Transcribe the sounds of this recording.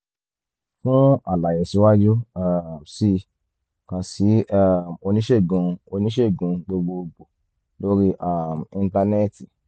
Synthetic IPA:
fũ˦a˦˨la˨jɛ˨si˨˦wa˦d͡ʒu˦a˦˨msi˧ | kã˨si˨˦a˦˨o˧nĩ˦ʃe˦˨ɡũ˧o˧nĩ˦ʃe˦˨ɡũ˨˧ɡ͡bo˧ɡ͡bo˧ɡ͡bo˨ | lo˦ɾi˦ʔa˦˨mĩ˧n˦ta˧nɛ˦ti˨

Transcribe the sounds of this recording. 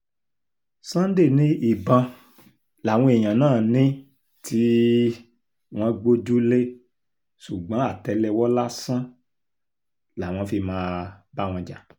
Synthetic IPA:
sã˦n˦de˦˨nĩ˦i˦˨bã˧ | la˨w̃ɔ̃˧e˨j̃ã˨nãː˦˨nĩ˦ | tʰi˦ | w̃ɔ̃˦ɡ͡bo˦d͡ʒu˦le˦ | su˨ɡ͡bã˨˦a˦˨tɛ˧˦lɛ˧wɔ˦la˦sã˦ | la˨w̃ɔ̃˧fi˧mãː˦˧ba˦˨w̃ɔ̃˧d͡ʒa˨

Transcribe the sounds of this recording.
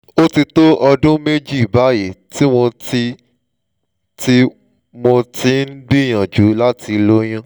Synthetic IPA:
o˦ti˧to˦ʔɔ˧dũ˦me˦d͡ʒi˦i˨ba˨˦je˨ti˦w̃ɔ̃˧ti˦ | ti˦ | mo˧tĩ˨˦n̩˦bi˦˨j̃ã˨d͡ʒu˨˦la˦ti˧lo˦j̃ã˦

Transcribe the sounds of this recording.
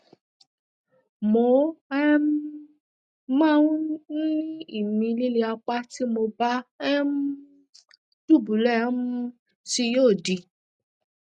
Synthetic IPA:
mo˨˦ɛ˦m˦ | mãː˦nĩ˦i˦˨mĩ˧li˦li˧a˧k͡pa˦ti˦mo˧ba˦ɛ˦m˦ | du˦˨bu˨˦lɛ˦˨˦mũ˦˧˦ | ti˧joː˦˨di˨˧

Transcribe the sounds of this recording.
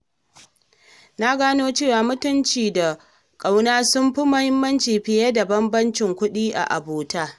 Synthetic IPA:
na˦ɡaː˦noː˦t͡ʃeː˦˨waː˨mʊ˦tʊ˦nt͡ʃiː˨da˨ | kʼa˨wnaː˦sʊ˦mɸi˦mɐ˦hɪ˦mːɐ˦nt͡ʃiː˨ɸɪ˨ja˦da˨bɐ˦mbɐ˦nt͡ʃɪ˨ŋkʷʊ˦ɗiː˦ʔa̰˨ʔa̰˨boː˨taː˦

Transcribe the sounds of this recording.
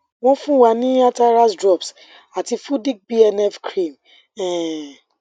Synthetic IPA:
w̃ɔ̃˦fũ˦wa˨˦nĩ˦a˦ta˧ɾa˦sdɾɔ˦˨ps | a˨ti˧fu˦di˦k̚bi˦ɛ˧nɛ˦fkɾĩ˦˨m | ɛ̃˨

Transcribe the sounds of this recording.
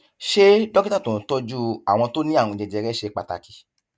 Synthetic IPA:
ʃe˦dɔ˦ki˦ta˦˨tõ˨tɔ˦d͡ʒu˦a˦˨w̃ɔ̃˧to˦nĩ˦ã˦˨ũ˧˨d͡ʒɛ˧˨d͡ʒɛ˧ɾɛ˦ʃe˧˦k͡pa̰˨ta̰˧ki˧

